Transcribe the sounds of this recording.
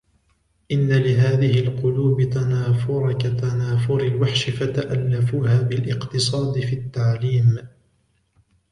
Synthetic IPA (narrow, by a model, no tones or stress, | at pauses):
ʔɪnːalɪɦaːðɪhɪlqʊluːbɪt̪anaːfʊɾˤkat̪anaːfʊɾɪlwaħʃɪfat̪aʔalːafuːhaːbɪlʔɪqt̪ɨsˤɑːd̪ɪfiːt̪ːaʕliːm